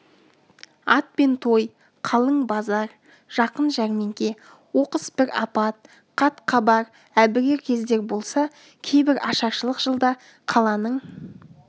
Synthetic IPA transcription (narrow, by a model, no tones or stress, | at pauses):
ɑt̪̚pe̞nt̪ʰo̞j | qʰɑlˠəɴbɑzɑɾ | ʒ̥ɑqənʒæɾme̞ŋkʲe̞ | wo̞qəsbɪɾɑ̰pɑt̪̚ | qʰɑt̪qʰɑbɑɾ | æbɪɡʲeɾkʲʰe̞zd̪e̞ɾbo̞lˠsɑ | kʲʰe̞jbɪɾɑʃɑɾʃəlˠəqʒ̥əlˠd̪ɑ | qʰɑlˠɑnəɴ